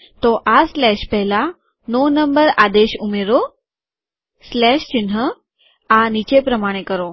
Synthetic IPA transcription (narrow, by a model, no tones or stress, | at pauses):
t̪ɔʔaslɛɕpɛɦla | nonəmbəɾad̪eɕumeɾo | slɛɕt͡ɕinɦə | anit͡ɕepɾəmaɽ̃ekəɾo